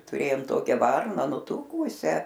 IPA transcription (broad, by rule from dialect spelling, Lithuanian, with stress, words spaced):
tʊˈrʲeːjoːm ˈtoːkʲɛ ˈʋɐrnɐ nʊˈtuːkuːsʲæː